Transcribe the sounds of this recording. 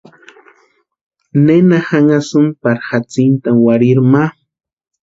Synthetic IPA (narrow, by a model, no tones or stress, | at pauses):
nenaxaŋasʊmpaɾxat͡sɪnt̪awaɾɪɾma